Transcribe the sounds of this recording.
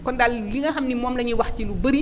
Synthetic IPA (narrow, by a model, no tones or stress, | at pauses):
kɔndalliŋɡɐxɐmnimɔːmlɐɲuwɐxtilubɐɾi